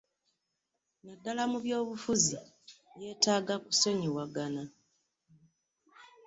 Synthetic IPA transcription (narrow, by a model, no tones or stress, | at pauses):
nadːalamuβjo̞ːβufuzi | je̞ːtaːɡaku̥se̞ɲiwaɡana